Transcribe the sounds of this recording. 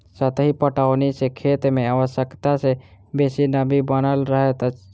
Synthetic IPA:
sət̪ɦipəʈanisekʰeːt̪mẽaʋəʃjəkt̪asebeːsinəbʱibənəlɾəɦet̪ə

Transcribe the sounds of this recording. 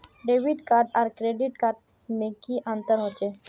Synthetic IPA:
ɖeːʋiʈkaːɾɖaɾkɾeɖiʈkaːɾɖ | mẽkiʔãnt̪əɾɦot͡ʃe

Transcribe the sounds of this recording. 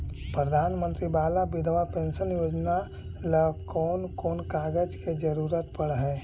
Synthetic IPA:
pɾəd̪ʱaːnmə̃nt̪ɾibaːlabɪd̪ʱʋapẽːnʃənjoːd͡ʒna | ləkɔːnkoːnkaːɡəd͡ʒked͡ʒəɾuːɾət̪pəɽɦɛː

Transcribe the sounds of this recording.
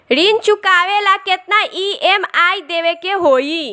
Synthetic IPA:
ɽint͡ʃukaʋelaket̪̚naʔiemajd̪eʋekeɦoi

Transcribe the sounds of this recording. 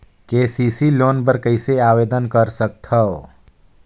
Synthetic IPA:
keːsiːsiloːnpəɾkəɪseaːweːd̪ənkəɾsək̚t̪həo

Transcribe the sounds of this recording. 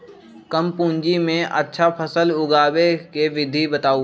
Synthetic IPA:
kəmpũːɲd͡ʒimẽʔə̰tːʃʰapʰəsəlʊɡaːbekeʋɪd̪ʱibət̪aːu

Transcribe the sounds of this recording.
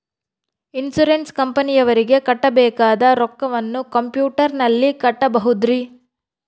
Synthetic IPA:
insuɾenskɐmpɐnijɐʋɐɾiɡe̞kɐʈːɐbɛːkaːd̪ɐɾɔkːɐʋɐnːukɐmpjuːʈɐɾnɐlːikɐʈːɐbɐɦud̪ɾi

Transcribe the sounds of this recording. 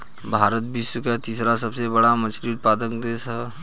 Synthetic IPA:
bʱaːɾət̪̚bʱisəkat̪iːsɾasɐbsebɐɽamɐt͡ʃɾiʊt̪̚paːd̪əkd̪esɐ

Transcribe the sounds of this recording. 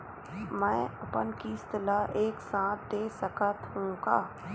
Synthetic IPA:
mɛ̃ːɐpənkiːst̪laʔeːksãːt̪̚d̪eːsəkət̪ɦũːɡaː

